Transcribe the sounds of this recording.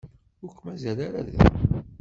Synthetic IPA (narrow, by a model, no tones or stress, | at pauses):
ʊɾkʷːmæzæɾaɾa̰ðæ̰